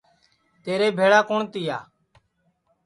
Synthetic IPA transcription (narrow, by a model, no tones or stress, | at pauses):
t̪eːɾeːbʱeːɭaːkoːɳt̪ɪja̰ː